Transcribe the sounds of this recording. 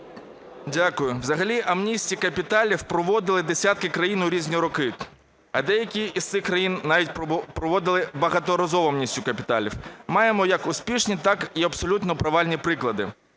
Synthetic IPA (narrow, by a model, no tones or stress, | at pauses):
dʲakʊjʊwzɐɦɐlʲiʔɐmnʲisʲtʲikɐpʲit̪ɑlʲiwpɾɔʋɔd̪ɪlˠɪd̪esʲat̪kɪkɾɐjinʊɾʲizʲnʲiɾɔkɪ | ɐ̰d̪ɛjɐkʲiist̪ɪxkɾɐjinnːɑʋʲitʲpɾɔʋɔd̪ɪlˠɪbɐɦɐt̪ɔɾɐzɔʋɔɐmnʲisʲtʲjʊkɐpʲit̪ɑlʲḭwmɑjemɔjɐkʊspʲiʃnʲit̪ɑkiɐpsɔlʲut̪nɔpɾɐʋɑlʲnʲipɾɪklˠɐd̪ɪ̰